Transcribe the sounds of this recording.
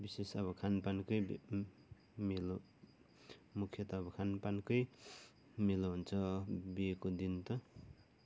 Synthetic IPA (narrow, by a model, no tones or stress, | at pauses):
bisesʌβʌkʰanpankʌj | milo | mukʰːjʌt̪ʌːbʌkʰanpankʌj | miloɦunt͡sʰʌbiekod̪int̪ʌ